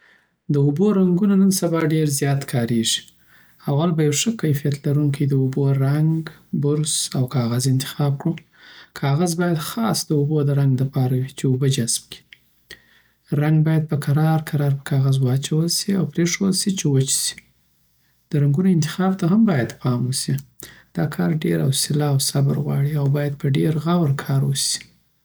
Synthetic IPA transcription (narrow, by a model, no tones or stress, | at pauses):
d̪əuboɾaŋɡunanənsabɑɖeɾzjɑt̪kʰɑɾeʐi̥ | awalbajawʂəkajfijat̪laɾuŋkijd̪əuboɾaŋɡbʊɾzawkɑɣazɪnt̪ɪ̥xɑb̚kɽu | kʰɑɣazbɑjad̪xɑsd̪əubod̪əɾaŋɡləpɑɾawit͡ʃeobəd͡ʒazmki̥ | ɾaŋɡ̚bɑjad̪̚pəkaɾɑɾkaɾɑɾpə̥kɑɣazwɑt͡ʃawəlsiawpɾeʂəwəlsit͡ʃewət͡ʃsi̥ | d̪̥əɾaŋɡunoɪnt̪ɪ̥xɑb̚t̪aɦambɑjad̪pʰɑmusid̪̥ɑkʰɑɾɖeɾa̰wsɪlɑwsabəɾɣwɑ̰ɽiawbɑjad̪̚pəɖeɾɣawɾkʰɑɾwusi̥